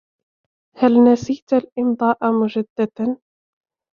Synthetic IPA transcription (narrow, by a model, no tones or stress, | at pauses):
halnasiːt̪alʔɪmd̪ˤɑːʔamʊd͡ʒad̪ːad̪